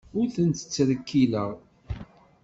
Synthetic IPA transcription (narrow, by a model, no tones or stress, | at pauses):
ʊɾθənt̪ə̥t͡sːɾəkʰːiləʁ